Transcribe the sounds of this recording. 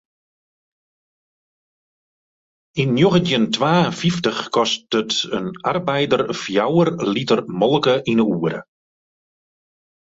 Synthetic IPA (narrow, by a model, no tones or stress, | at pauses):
inːjoɣətjəntʋaːfiftəxkɔst̚ətənarbɛjdərfjawərlitərmɔlˠkəʔinəuːəɾə̰